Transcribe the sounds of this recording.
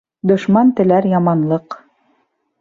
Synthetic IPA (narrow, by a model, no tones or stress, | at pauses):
d̪ŏʃmɑnt̪ɘ̆læɾjɑmɑnlˠɤq